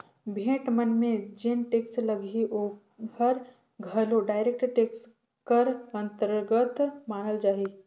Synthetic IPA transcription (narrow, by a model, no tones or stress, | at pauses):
bʱẽːʈmənmẽd͡ʒɪnʈeːksləɡiʔoː | həɾ | ɡʱəloɖaːɪɾeːk̚ʈɾʈeːks | kəɾə̃nt̪əɾɡət̪maːnəld͡ʒaːi